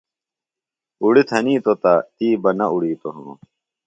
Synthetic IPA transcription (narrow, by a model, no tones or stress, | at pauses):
uɽit̪ʰɐniːt̪ot̪at̪iːbɐnɐʔuɽiːt̪oɦɐo̰